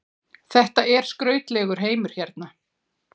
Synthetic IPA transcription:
θɛht̪aɛɾ̥skɾœːɥt̪lɛɣʏɾ̥ɦeːjmʏɾ̥çɛɾt̪na

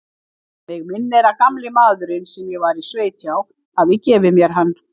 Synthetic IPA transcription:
ɛɣmɪnːɛɾakamlɪmaːðʏɾɪnsɛmjɛɣvaɾisveːjt̪ʰjaw | aðvɪcɛːvɪmjɛɾ̥ɦanː

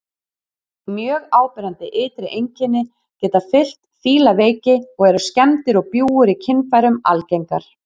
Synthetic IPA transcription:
mjœːɣaːwpɪɾant̪ɪʔɪːt̪ɾɪʔejɲcɪnːɪ | cɛːt̪afɪl̥t̪fiːlaveːjcɪɔɣɛɾʏscɛmt̪ɪɾɔɣpjuːʏɾicʰɪnfajɾʏma̰lcejŋkaɾ̥

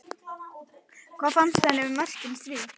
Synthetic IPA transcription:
kʰvaːfamsɛnɪvʏmœl̥cʏmsviː

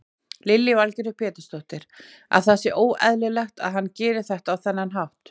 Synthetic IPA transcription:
lɪlːjɪvalcɪnʏpʰjɛːt̪ɪ̥st̪ɔht̪ɪɾ̥ | a̰ðθasɪʔoːwɛðlɪlɛxt̪a̰ðɦanːcɛːɾɪθɛht̪awθɛnːanɦawht̪

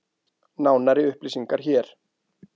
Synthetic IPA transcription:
naːwnaɾɪʏhplisiŋkaɾ̥çɛːɾ̥

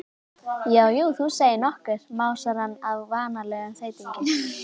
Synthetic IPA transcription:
jaːwjuːθuseːjɪnɔhkɛɾ̥maːwsaɾhanːavvaːnalɛːɣanθeːjt̪iɲcɪn

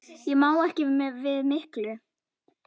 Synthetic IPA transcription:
jɛɣmaːwɛhcɪvɪðmɪhklʏ

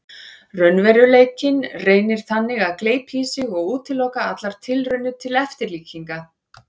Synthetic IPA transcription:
rœnvɛɾʏleːjcɪnreːjnɪɾ̥θanːɪɣaðkleːjpʰiːsɪɣɔɣuːt̪ʰɪlːɔwkaat̪laɾ̥t̪ʰɪlrʏnːʏt̪ʰɪlɛft̪ɪɾliːciŋka

